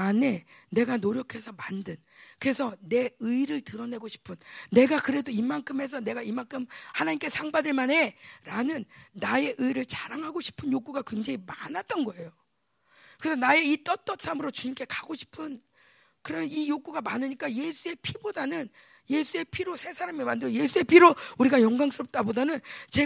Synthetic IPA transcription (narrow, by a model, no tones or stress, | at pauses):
ane̞ne̞ɡanoɾjʌkʰe̞sʰʌmandɯn | kɯɾe̞sʰʌne̞ɯiɾɯɭtɯɾʌne̞ɡoɕʰi̥pʰɯnːe̞ɡakɯɾe̞doimankʰɯme̞s̬ʰʌne̞ɡaimaŋkʰɯmhanaɲimk͈e̞sʰaŋbadɯɭmanɦe̞ɾanɯnːaje̞ʔɯiɾɯɭt͡ɕaɾaŋɦaɡoɕʰi̥pʰɯnjok͈uɡakweŋd͡ʑeimanat̚t͈ʌnɡʌe̞jo | kɯesʰʌnae̞it͈ʌt͈ʌtʰamɯɾot͡ɕuɲimkʰe̞kaɡoɕʰi̥pʰɯn | kɯɾemijok͈uɡamanɯɲik͈aje̞sʰue̞pʰibodanɯn | je̞sʰue̞pʰiɾosʰe̞sʰaɾamemandɯɾoje̞sʰue̞pʰiɾouɾiɡajʌŋɡwaŋs͈ʰɯɾʌp̚t͈abodanɯnt͡ɕe